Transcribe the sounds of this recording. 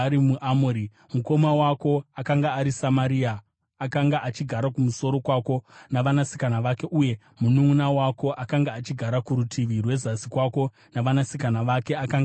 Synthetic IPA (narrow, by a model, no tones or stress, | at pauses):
ɾimuʔamoɾi | muko̞mawako̞akaŋɡaːɾisamaɾiaː | kaŋɡaʔat͡ʃiɡʱaɾakumuso̞ɾo̞kwako̞naʋanasi̥kanaʋake̞ʔuje̞ | munuŋunawako̞ʔakaŋɡaːt͡ʃiɡʱaɾakuɾutʰiʋirwe̞zasikwako̞ | naʋanasikanaʋake̞akaŋɡ